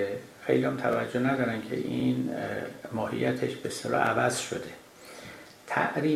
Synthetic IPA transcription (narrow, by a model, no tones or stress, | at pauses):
xejliæmt̪ʰævæd͡ʒːonæd̪ɒːɾænkcʰe̞̰ʔin | mɒːhḭjːæt̪ʰeʃbest̪elɒ̰ːʔævæzʃo̰d̪e̞ | t̪ʰæ̰ʔɾiː